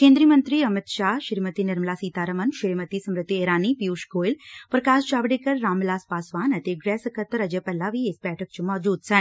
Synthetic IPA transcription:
kẽːnd̪ɾiːmɐnt̪ɾiːɐmɪt̪ʃaːɦʃɪɾmət̪iːnɪɾmlaːsiːt̪aːɾɐmɐnʃɪɾimɐt̪isɐmɾɨt̪ːieːɾaːnipiuːʃɡoːjlpɾɐkaːst͡ʃaːʋɖeːkɐɾːaːmɪlaːspaːsʋaːnɐt̪eɡɾɛːsɐkɐɾt̪ɐɾɐd͡ʒɐpɛlːaːʋiːesbɛːʈʰɐk̚t͡ʃumɔːd͡ʒuːd̪sɐn

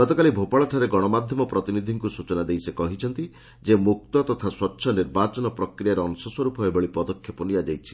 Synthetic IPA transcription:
ɡɔt̪ɔkalibʱopaɭɔʈʰaɾeɡɔɽ̃ɔmad̪ʱjɔmɔpɾɔt̪inid̪ʱiŋkusut͡ʃɔnad̪ejsekɔɦit͡ʃʰɔnt̪i | d͡ʒemuk̚t̪ɔt̪ɔt̪ʰaswɔtːʃʰɔniɾbat͡ʃɔnɔpɾɔkɾijaɾeɔnsɔswɔɾupɔɦoebɔɭipɔd̪ɔkʰːjepɔnijad͡ʒajt͡ʃʰi̥

